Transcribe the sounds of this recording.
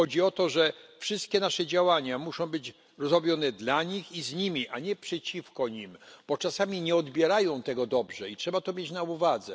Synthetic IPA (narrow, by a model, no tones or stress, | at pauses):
ɔd͡ʑiɔt̪ɔʐɛfʂɘst̪̚kʲɛnaʂɛd͡ʑawaɲamuʂɔ̃w̃bɘd͡ʑ | ɾɔzɾɔbʲjɔnɛd̪laɲixizɲimʲiʔaɲɛpʂɛt͡ɕifkɔɲimb̥ɔt͡ʂasamʲiɲɛɔd̪bʲjɛɾajɔ̃w̃t̪ɛɡɔd̪ɔbʐɛitʂɛbat̪ɔmʲjet͡ɕnauvad̪zɛ